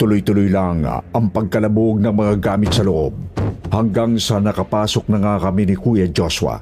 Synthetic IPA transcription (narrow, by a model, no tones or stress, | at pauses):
t̪ʊlʊjt̪ʊlʊjlaŋɐŋpɐɡ̚kɐlɐboɡ̚nɐŋmɐŋaɡaːmɪt̪̚sɐlʊʔob̚hɐŋɡaŋsɐnɐkɐpaːso̞k̚nɐŋakɐminɪkujɐd͡ʒoswɐ̰